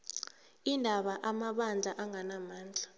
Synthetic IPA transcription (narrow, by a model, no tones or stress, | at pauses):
indʱaɓaʔamaɓand͡ɮʱaʔaŋanamaːnd͡ɮʱa